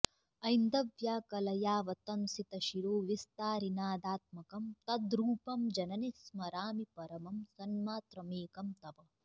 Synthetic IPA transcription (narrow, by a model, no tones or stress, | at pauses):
ɐjnd̪ɐʋjaːkɐlɐjaːʋɐt̪ɐnsit̪ɐʃiɾoːʋist̪aːɾinaːd̪aːt̪̚mɐkɐmt̪ɐd̪ɾuːpɐmd͡ʒɐnɐnesmɐɾaːmipɐɾɐmɐmsɐnmaːt̪ɾɐmeːkɐmt̪ɐʋɐ